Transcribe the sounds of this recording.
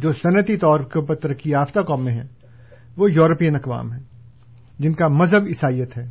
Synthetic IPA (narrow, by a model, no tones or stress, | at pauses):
d͡ʒoːsɐnət̪it̪ɔːɾkəpɐɾt̪ɐɾəkːiaːft̪akɔːmːẽɦɛ̃ː | ʋoːjɔːɾəpijənɐkʋa̰ːmɦɛː | d͡ʒɪnkamɐzɦəbɪsaːijət̪ɦɛː